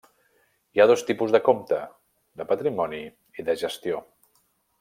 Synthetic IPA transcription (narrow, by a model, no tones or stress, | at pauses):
iað̞ost̪ipuzðəkomt̪ə | d̪əpət̪ɾimɔni | iðəʒəst̪io